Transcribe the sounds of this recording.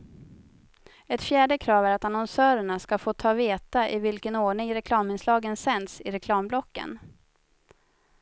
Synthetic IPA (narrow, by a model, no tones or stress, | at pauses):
ɛt̪fjæːɖəkʰɾɑːvæɾat̪anɔnsœːɾəɳaskafoːt̪ʰɑːveːt̪aʔɪvɪlkənoːɳɪŋɾɛkʰlɑːmɪnslɑːɡənsɛnd̪sɪɾɛkʰlɑːmblɔkːə̰n